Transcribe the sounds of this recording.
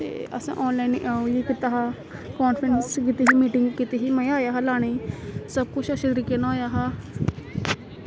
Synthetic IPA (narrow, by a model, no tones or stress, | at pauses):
t̪ḛːə̰sã̰ːʔɔːnlaːinʔaːuiːkɪt̪aːɦaː | kɔːnfʰɾənskɪt̪iɦiːmiːʈɪŋɡkɪt̪iɦiːməjaːjaːɦalaːɽ̃eiːsəb̚kʊt͡ʃʰəsɪd̪ɾɪkenaːjaːɦaː